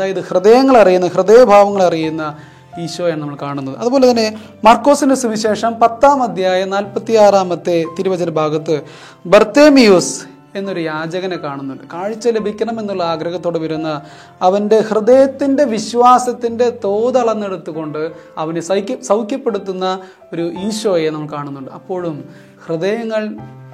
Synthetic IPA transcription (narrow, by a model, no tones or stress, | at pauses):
ɐðaːjɐðɨhrɨðɐjɐŋːɐɭɐrijunːɐhrɨðɐjɐbʱaːʋɐŋːɐɭɐrijunːɐ | iːɕoːjaːɳnɐmːɐɭkaːɳunːɐðɨɐðubo̞ːle̞t̪ɐnːe̞ | mɐrkːo̞ːsindesumiɕe̞ːʂɐmpɐt̪ːaːmɐd̪ʱjaːjɐnaːlpɐt̪ːijaːraːmɐt̪ːe̞t̪iɾuʋɐd͡ʑɐnɐbʱaːɡɐt̪ːɨ | bert̪eːmijus | e̞nːoɾujaːd͡ʑɐɣɐnekːaːɳunːuɳɖɨkaːɻit͡ɕːɐlebʱikʲːɐɳɐme̞nːuɭːɐaːɡɾɐɣɐt̪ːoːɽeʋɐɾunːɐː | ʋɐnde̞hrɨd̪ɐjɐt̪ːinde̞ʋiɕʋaːsɐt̪ːinde̞t̪o̞ːd̪ɐɭɐnːeɽut̪ːuɣo̞ɳɖɨɐʋɐnesɐsɐwkʲjɐpːe̞ɽut̪ːunːɐ | o̞ɾuiːɕʋɐjenɐmːɐɭkaːɳunːuɳɖɨɐpːo̞ːɻum | hrɨd̪ɐjɐŋːɐɭ